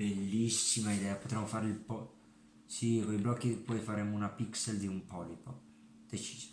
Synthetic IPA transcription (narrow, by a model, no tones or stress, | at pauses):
belːisːimaid̪ɛːapot̪ɾɛmːofaɾilpɔ | sikoiblɔkːipɔjfaɾɛːmounapikseld̪iumpɔlipo | d̪̥et͡ʃi̥ːzi̥